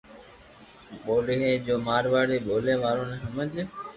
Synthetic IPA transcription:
ɓoːɗeɦeːd͡ʑoːmaːɾʋaːɽeːɓʱoːleːʋaːɾoːnəɦəməd͡ʒɪ

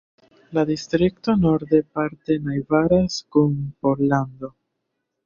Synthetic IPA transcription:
ladistɾik̚to̞no̞ɾde̞paɾte̞najvaɾaskunpo̞ɾlando̞

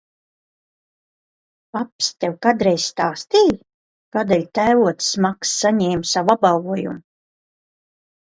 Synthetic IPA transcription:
papst̪ɛwkad̪ɾɛjsst̪aːst̪iː | kaːd̪ɛlʲt̪æːvuɔt̪smaksːaɲɛːmsavabalˠɡuɔjṵm

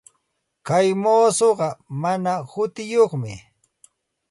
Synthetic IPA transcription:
kajmoːsoɢɑmanahʊt̪ɪjoχmɪ̰

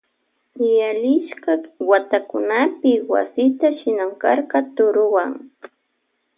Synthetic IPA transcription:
ɪjalɪʃkawat̪akʊnapɪwa̰sɪt̪aʃɪnamkaɾkɑt̪ʊɾʊwaŋ

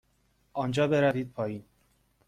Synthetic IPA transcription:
ʔɒːnd͡ʒɒːbeɾæviːd̪̚pʰɒːjiːn

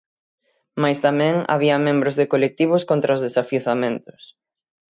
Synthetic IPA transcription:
majst̪amɛ̃ŋa̰βiɐmẽmbɾʊzðɪkolek̚t̪iβ̞ʊskont̪ɾɐʊzðesafjiuθamẽnt̪ʊ̥s

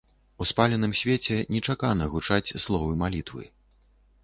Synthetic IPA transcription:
uspalʲɛnɨmsʲvʲet͡sʲɛnʲɛt͡ʂakanɐɣut͡ʂat͡sʲslˠɔvɨmalʲit̪vɨ̰

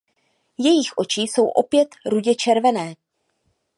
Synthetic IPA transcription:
jɛjɪxʔo̞t͡ʃiːso̞wʔo̞pjɛt̪ɾuɟɛt͡ʃɛɾvɛnɛː

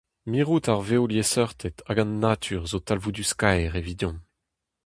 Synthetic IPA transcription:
miʁutaʁvewljesœʁt̪ʰɛt̪ʰaɡɑ̃nːat̪ʰyːʁzot̪alvud̪yskajʁevid̪jɔ̃

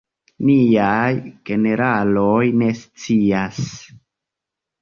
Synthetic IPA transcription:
niajɡ̥e̞ne̞ɾalojne̞st͡sias

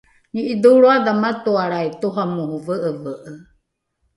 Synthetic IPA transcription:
niʔid̪uɺoad̪amat̪uaɾait̪uɦamuhuvəʔəvəʔə

